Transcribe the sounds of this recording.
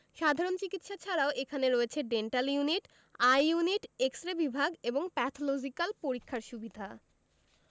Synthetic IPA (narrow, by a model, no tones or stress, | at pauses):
ʃad̪ʱaɾont͡ɕikit̪ʃat͡ɕʰaɾaoʔekʰaneɾoet͡ɕʰeɖeɳʈaljuniʈ | ajːuniʈeksʈɾabibʱaɡeboŋpɛt̪ʰolod͡ʑikalpoɾikʰːaɾʃubid̪ʱa